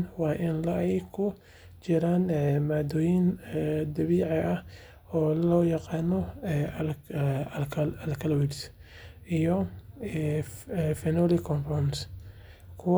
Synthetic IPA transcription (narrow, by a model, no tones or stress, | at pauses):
nwɑːʔɪnlɐɛjkʰʊ | t͡ʃɪɾaːnmaːd̪ɔːjɪnd̪ɐβiːʕɪʔɐh | ɔːlɔːjɑqɑːnɔ | ɐlkʰɐlwiɾs | ʔijɔ | fɛnɔːlɪkʰɔmfɔns | kʰʊw